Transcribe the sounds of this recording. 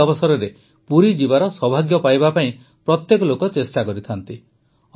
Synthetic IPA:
ɔbɔsɔɾɔɾe | puɾid͡ʒibaɾɔsɔbʱaɡjɔpajbapaĩ | pɾɔt̪jekɔlokɔt͡ʃesʈakɔɾit̪ʰant̪i

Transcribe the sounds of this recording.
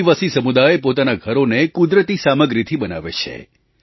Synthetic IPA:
iʋasisəmud̪aepot̪anaɡʱəɾonekud̪ɾət̪isaməɡɾit̪ʰibəna̰ʋḛt͡ʃʰḛ

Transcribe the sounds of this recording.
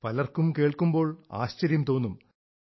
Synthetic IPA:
pɐlɐrkumke̞ːɭkumbo̞ːɭa̰ːɕt͡ɕɐɾjɐmt̪o̞ːnːum

